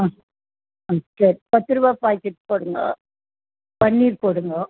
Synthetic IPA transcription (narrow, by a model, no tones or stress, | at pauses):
aː | ɐsɐɾipɐt̪ːɯɾɯʋaːpaːjkːɪʈːɯ̥pːoːɽɯŋɡɐ̰ | pɐɳːiːɾpoːɽɯŋɡɐ